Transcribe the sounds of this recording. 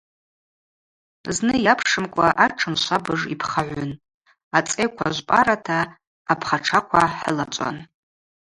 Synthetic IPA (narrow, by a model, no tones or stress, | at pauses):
znɨjapʰʂɨmkʷʼaʔaʈ͡ʂʰɨmʃʷabɨʐipʰχaʕʷʊn | at͡sʼejkʷʰa̰ʒʷpʼa̰ɾatʰaː | pʰχaʈ͡ʂʰakʷʰaħlat͡ʃʷʼa̰n